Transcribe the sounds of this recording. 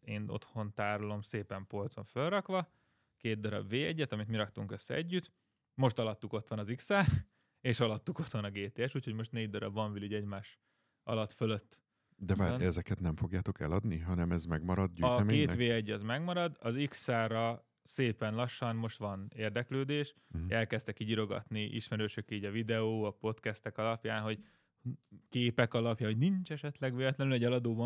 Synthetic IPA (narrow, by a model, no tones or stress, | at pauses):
eːno̞̰t̪ho̞nt̪aːɾolo̞mseːpɛmpo̞lt̪zo̞̰ɱfølrɒkʋɒ | keːd̪d̪ɒɾɒ̰bʋeːɛɟːɛt̪ɒmit̪miɾɒk̚t̪uŋkø̞sːɛ̰ɛɟːyt̪ | mo̞ʃt̪ɒlɒt̪ːuko̞t̪ʋɒnɒziksaːr | eːʃɒlɒt̪ːuko̞t̪ʋɒnɒɡeːt̪eːɛʃuːcʰho̞ɟmo̞ʃt̪neːɟ̚d̪ɒɾɒ̰bʋɒɱviliɟɛɟmaːʃ | ɒ̰lɒt̪følø̞t̪ː | d̪ɛvaːɛzɛkɛt̪nɛɱfo̞ɡjaːt̪o̞kɛ̰lɒd̪niɦɒnɛmɛzmɛɡmɒɾɒd̪̚ɟyːɒɛmeːt̪ʋeːɛɟɒzmɛɡmɒɾɒd̪ɒziksaːrɒ | seːpɛnlɒʃːɒnmo̞ʃt̪ʋɒneːrd̪ɛkløːd̪eːʃ | ɛlkɛst̪ɛkːiɟiɾo̞ɡɒ̰t̪niʔḭʃmɛɾøːʃøkiːɟɒvid̪ɛoːɒpo̞t̪kɛst̪ɛkɒlɒpjaːnɦo̞ɟ | keːpɛkɒlɒpjaːnɦoɟnint͡ʃɛʃɛt̪lɛɡʋeːlɛt̪lɛnylɛɟɛlɒd̪oːbɒ